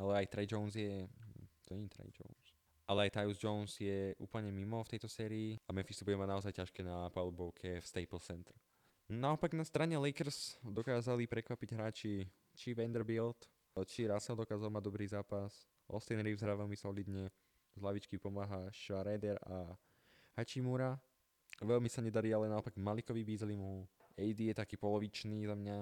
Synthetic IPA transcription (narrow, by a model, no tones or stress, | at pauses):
alɛajt̪ɾɛjd͡ʒɔʊnzjɛt̪ɔɲɛɲit̪ɾɛ̰d͡ʒɔ̰ʊns | ʔalɛajt̪ajuzd͡ʒɔʊnsjɛʔṵːpl̩ɲɛmimɔft̪ɛjt̪ɔsɛːɾiːamɛnfist̪ubuɟɛmaɟnaɔzajcaʃkɛːnapalubɔʊkʰɛfst̪ɛjpl̩sɛnt̪ɾɛ | naɔpaɡnast̪ɾaɲɛlɛjkɛɾsd̪ɔkaːzalipɾɛkʋapiɟɦɾaːt͡ʃi | t͡ʃiʋɛnd̪ɛɾbilt̪ | t͡ʃiɾasɛld̪ɔkaːzalmaɟ̚d̪ɔbɾiːzaːpas | ʔɔ̰st̪ɛjnɾiːvzɦɾaʋɛlmisɔlid̪ɲɛ | zlaʋit͡ʃkipɔmaːɦaʃɾɛjd̪ɛɾa | hat͡ʃimuɾa | ʋɛlmisaɲɛd̪aɾialɛnaɔpaɡmalikɔʋibiːzlimuɛjd̪ijɛt̪akiːpɔlɔʋit͡ʃniːzamɲa